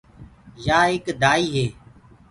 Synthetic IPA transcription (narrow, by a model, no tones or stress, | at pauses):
jaːɦɪkd̪aːiːɦeː